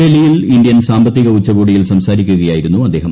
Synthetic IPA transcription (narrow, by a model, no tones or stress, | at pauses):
elijilind̪jɐnsaːmbɐt̪ːiɣɐut͡ɕːɐɣuːɽijilsɐmsaːɾikʲːuɣɐjaːjiɾunːuɐd̪ːe̞ːɦɐ